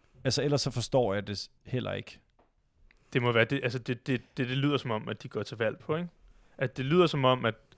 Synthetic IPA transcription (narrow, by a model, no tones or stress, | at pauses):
ælsɐel̰ɐsːɒ̽fɒ̽sd̥ɒ̰ːjɑ̈ɪd̥e̝ | hel̰ʔɐ̰e̝ɡ̥ | d̥e̝mɒ̽ʋæːɐd̥e̝ʔælsəd̥e̝d̥e̝d̥e̝d̥e̝lið̞̰ˠɐsɒ̽mɒ̽mæd̥iɡ̥ɒt͡sʰe̝ʋæl̰pʰɒ̽e̝ŋ | ʔæsd̥e̝lḭð̰ˠɐsɒ̽mɒ̽m̰æd̥